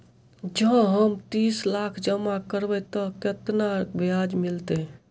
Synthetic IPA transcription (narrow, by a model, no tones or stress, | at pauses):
d͡ʒə̃ɦəmt̪islakʰd͡ʒəmːakəɾbɛt̪ɔket̪nabʱiad͡ʒmilt̪e